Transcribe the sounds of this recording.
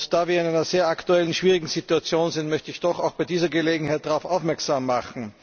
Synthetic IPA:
d̥aːviːɐɪnæɪnɐz̥eːɐʔaktuɛlənʃv̥iːʁɪɡŋ̩z̥ituat͡sjoːnzɪntmœçtəɪçd̥ɔxaʊxb̥aɪdiːzɐɡəleːɡŋ̩haɪt̚d̥aʁaʊfʔaʊfmɛɐksaːmːaχn̩

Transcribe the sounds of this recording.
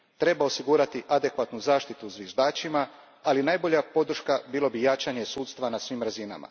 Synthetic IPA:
t̪ɾe̞bao̞siɡuːɾat̪iʔad̪e̞kʋat̪nuzaːʃt̪it̪uzvʋjeʒd̪aːt͡ʃima | alinaːjbo̞ʎapo̞d̪ɾ̩ʃkabiːlo̞bijat͡ʃaɲe̞suːt̪st̪ʋanasʋiːmɾazina̰ma̰

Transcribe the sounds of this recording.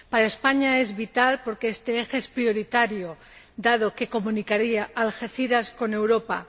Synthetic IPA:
paɾaespaɲae̞zβit̪alpo̞ɾkeest̪eexeespɾio̞ɾit̪aɾjo | d̪að̞o̞ke̞ko̞mũnikaɾiaʔːlxeθiɾasko̞ne̞wɾo̞pa̰

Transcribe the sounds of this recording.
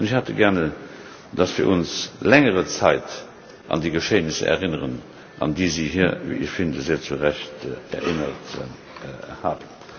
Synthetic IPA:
nəçhɑtəɡæʁnə | d̥ɑsv̥iːɐʔʊnslɛŋəʁət͡sɑɪt | ʔɑ̰ndiːɡəʃeːnisə̰ɛ̰ʁɪnəʁən | ʔɑ̰ndiːziːɦiːɐvḭʔəʃfɪndəzeːɐt͡suʁæçtɛ̰ɐʔɪnət | haːbən

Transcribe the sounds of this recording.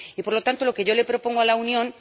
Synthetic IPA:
ipo̞ɾlo̞t̪ant̪o̞lo̞keʝo̞le̞pɾo̞po̞ŋɡoalaunjõ̞n

